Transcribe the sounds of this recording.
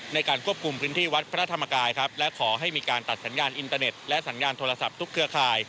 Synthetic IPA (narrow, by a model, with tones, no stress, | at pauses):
na˧jkaː˧nkʰu˥˩əpkʰu˧mpʰɯː˦˥nt̪ʰiː˥˩wa˦˥t̪̚pʰɾa˦˥t̪ʰa˧ma˧kaː˧jkʰa˦˥p̚lɛ˦˥kʰɔː˩˦ɦa˥˩jmiː˧kaː˧nt̪a˨˩t̪̚sa˩˦njaː˧nʔi˧nt̪aː˧ne˨˩t̪̚lɛ˦˥ʔsa˩˦njaː˧nt̪ʰoː˧ɾla˧sa˨˩p̚t̪ʰu˦˥kʰːɯ˦˥ɐkʰaː˧j